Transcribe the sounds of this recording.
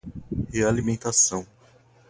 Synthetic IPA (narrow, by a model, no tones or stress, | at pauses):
healimẽnt̪asɐ̃w̃